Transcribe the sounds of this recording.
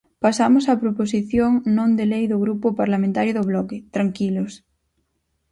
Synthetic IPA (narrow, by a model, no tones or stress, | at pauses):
pasamosapɾoposiθjoŋnõnd̪elejðoɣ̞ɾupopaɾlamẽnt̪aɾjoðoβ̞lɔket̪ɾaŋkilos